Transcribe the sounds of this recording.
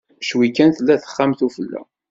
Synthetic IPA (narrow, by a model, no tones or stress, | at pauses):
ʃwikːænθlːæθə̥χːamθufəlːæ̰